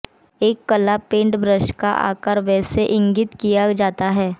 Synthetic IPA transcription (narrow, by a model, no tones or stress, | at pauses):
eːkːɐlapẽːɳʈbɾəʃka̰ʔa̰ːkəɾʋɛːseʔɪ̃ŋɡɪt̪kijad͡ʒaːt̪aɦɛː